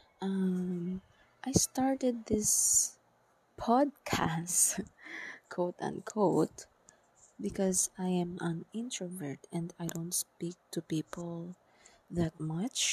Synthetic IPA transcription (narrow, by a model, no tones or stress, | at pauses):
ʔʌm | ʔajst̪aɹt̪ɛd̪̚ðɪs | pʰɔd̪̚kʰast | kʰoʊt̪ã̰nkʰoʊt̪ | bɪkɔzajɛ̃mʔãnɪ̃nt̪ɹɔvɛɹt̪ɛ̃nd̪ajd̪õʊ̃nt̪spik̚t̪ʊpipɔlˠ | ðat̪̚mʌt͡ʃ